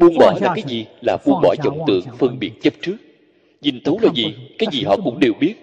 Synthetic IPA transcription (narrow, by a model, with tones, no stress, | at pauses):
ɓu˧ənɓɔ˧˩˦laː˨˩kaː˨˦jzi˨˩laː˨˩ɓu˧ənɓɔ̰˧˩jzə˧˩wŋ͡mt̪ɨ̰˧˨əŋfɨ˧ŋɓi˨˩ət̚t͡ɕə˦˥p̚t͡ɕɨ˦˥ək̚ | ɲi˨˩ŋt̪ʰu˨˦wlaː˨˩zi˨˩kaː˨˦jzi˨˩ɦɔ̰˧˨kʊ̰˧˥ŋ͡mɗe˨˩wɓi˦˥ət̚